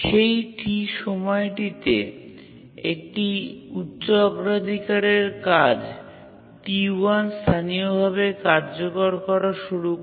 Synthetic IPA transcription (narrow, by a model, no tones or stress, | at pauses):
ʃejʈiʃɔmɔeʈit̪ḛ | ḛk̚ʈiutːɕːoɔɡɾad̪ʱikaɾeɾkad͡ʑ | t̪ianst̪ʰaniobʱaβekaɾd͡ʑokoɾkɔɾaʃuɾu